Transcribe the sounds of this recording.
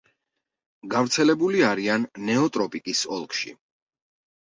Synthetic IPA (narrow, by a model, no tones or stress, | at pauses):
ɡavɾt̪sʰɛlɛbuliaɾianːɛɔt̪ʼɾɔpʼikʼisɔlˠkʰʃḭ